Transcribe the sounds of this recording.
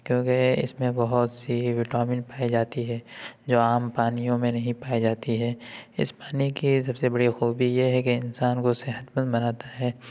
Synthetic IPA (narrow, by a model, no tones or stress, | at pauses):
kjõːkeɪ̰smẽbɐɦʊt̪siʋɪʈaːmɪnpaːid͡ʒaːt̪iɦɛːd͡ʒoːaːmpaːnijõmẽnɐɦĩpaːid͡ʒaːt̪iɦɛːɪ̰spaːnikis̬ɐbsebɐɽixuːbijeɦɛkeɪnsaːnkoseɦət̪bə̃nd̪bɐnaːt̪aɦɛː